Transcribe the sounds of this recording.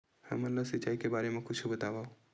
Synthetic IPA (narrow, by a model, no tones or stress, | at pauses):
hɛ̰̃mːənləsɪt͡ʃːaːikebaːɾemẽkʊt͡ʃʰubət̪aːʋaːo